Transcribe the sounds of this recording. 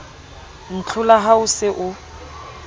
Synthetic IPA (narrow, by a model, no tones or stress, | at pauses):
n̩t͡ɬʰʊlaɦaʊsɪʔʊ